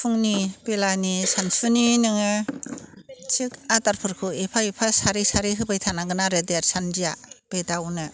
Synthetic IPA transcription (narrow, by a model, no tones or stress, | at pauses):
pʰuŋnipelanisanpʰɯninɯŋɯ | t͡ʃʰikataɾpʰɯɾkʰɯepʰaepʰasaɾisaɾiɦɯbajtʰanaɡɯnaɾɯdeaɾsandijab̥edawnɯ